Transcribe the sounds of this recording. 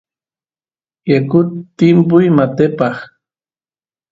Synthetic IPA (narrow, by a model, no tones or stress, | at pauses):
jakʊt̪ːɪmpʊjmat̪epɑχ